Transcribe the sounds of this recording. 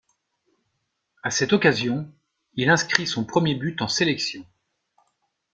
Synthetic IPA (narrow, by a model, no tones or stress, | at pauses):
asɛt̪ɔkazjɔ̃ | ilɛ̃skχisɔ̃pχəmjebyt̪ɑ̃selɛksjɔ̃